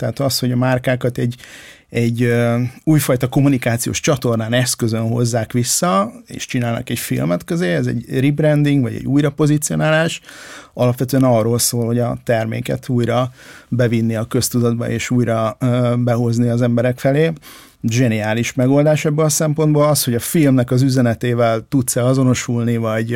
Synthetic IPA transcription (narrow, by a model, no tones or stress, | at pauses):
t̪ɛːt̪ɒsho̞ɟɒmarkaːkɒt̪ɛɟː | ɛɟːøuːjfɒjt̪ɒko̞munikaːt̪sijo̰ːʃt͡ʃɒt̪o̞rnaːnɛskøzønɦo̞̰zːaːkʋisːɒḛːʃt͡ʃinaːlnɒ̰kɛcfḭlmɛt̪køzeːɛzɛ̰ɟribrɛnd̪iŋɡvʋɒ̰ɟɛ̰ɟːuːjɾɒpo̞zit̪sio̞̰naːlaːʃɒlɒpʋɛt̪øɛnɒrːoːlsoːlho̞ɟɒt̪ɛrmḛːkɛ̰t̪ʰuːjɾɒbɛvinːiɒkø̞st̪ud̪ɒd̪̚bɒ̰ʔḛːʃuːjɾɒbɛɦo̞zniɒzɛmbɛɾɛkfɛleː | ʒɛniaːliʃmɛɡo̞ld̪aːʃɛbːølɒsɛmpo̞nd̪boːlɒshoɟɒfilmnɛkɒzyzɛnɛt̪eːvɛlt̪ut̪sɛlɒzo̞no̞ʃulnivɒɟ